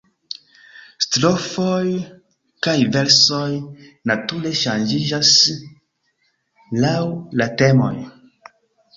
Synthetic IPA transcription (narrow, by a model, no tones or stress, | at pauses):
stɾofoj | kajve̞lso̞jnatule̞ʃand͡ʒid͡ʒas | lawlate̞mo̞̰j